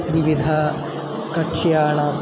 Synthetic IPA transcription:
ʋiʋid̪ʱɐ | kɐʈʃjaːɳɐ

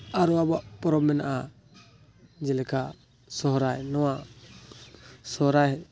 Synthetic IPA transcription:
aɾuabapɔɾɔmːɛnaʔa | d͡ʒɛlɛka | sɔɦɔɾajnɔwa | sɔhɾaj

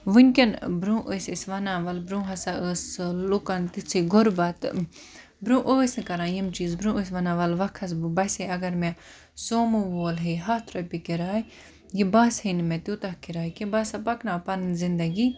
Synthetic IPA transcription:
ʋunʲkʲenbɾũːʔosesʋɐnãːʋɐlbɾũːɦɐsaəslukɐnt̪it͡sʰiɡʱoɾbɐt̪ | bɾũːʔəːskɐɾãːjimt͡ʃiːzbɾũʔəs̬ʋɐnãːʋɐlʋɐkʰɐs̬bɨbɐseɐɡɐɾmʲẽ | soːmɨʋoːlɦeɦɐt̪ʰɾɐpikiɾaːj | jibaːshinmẽt̪ut̪ɐhkiɾaːjkibaːsapɐknawpɐnzind̪ɐɡi

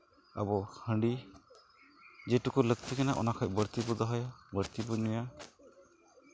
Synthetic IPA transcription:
a̰bɔhəɳɖi | d͡ʒeʈukulək̚t̪ʰikɛnaʔɔ̰nakʰɔjbəɾt̪ibud̪ɔɦɔjbəɾt̪ibunuja

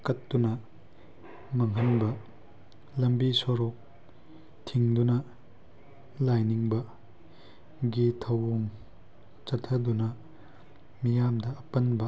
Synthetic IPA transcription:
kɐtːunɐ | mɐŋɦɐnbɐ | lɐmbisoɾok̚ | tʰiŋdunɐ | lajniŋbɐ | ɡitʰɐwuŋ | t͡ʃɐtʰɐdunɐ | mijamdɐɐpɐnbɐ

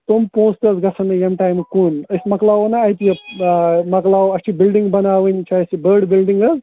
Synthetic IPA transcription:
t̪ompõːst̪ɐzɡɐsʰɐnːɨjɐmʈaːjmɨkunɐsʲmɐklaːʋonɐɐjt̪ijɐ | mɐklaːwɐt͡ʃʰibilɖiŋɡbɐnaːʋɐnt͡ʃʰaɐsʲibəːɾɖbilɖiŋɡɐz

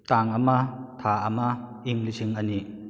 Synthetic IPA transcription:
t̪aŋʔamat̪ʰaːʔamaʔiŋlisʰiŋʔani

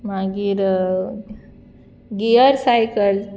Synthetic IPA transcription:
maɡiːɾ | ɡijəɾsajkəl

